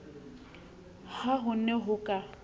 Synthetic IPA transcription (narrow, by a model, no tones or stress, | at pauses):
haɦʊnɛɦʊkʼa